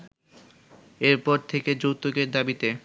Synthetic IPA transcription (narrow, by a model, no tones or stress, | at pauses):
eɾpɔɾt̪ʰeked͡ʑowt̪oɡeɾd̪abit̪e